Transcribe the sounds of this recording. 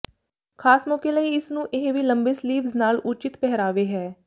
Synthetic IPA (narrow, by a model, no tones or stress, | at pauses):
kʰaːsmɔːkeːləiːɪsnũːʔɪɦʋiːləmbeːsliːʋznaːlʊt͡ʃɪt̪pɛɦɾaːʋeːɦɛː